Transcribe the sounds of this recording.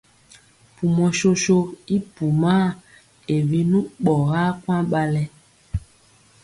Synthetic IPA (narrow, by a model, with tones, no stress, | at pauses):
pu˨mɔ˨ʃo˦ʃo˦i˦pu˨ma˦ | e˨vi˦nũ˦ɓɔ˨ɣa˦kwã˦ɓa˦lɛ˦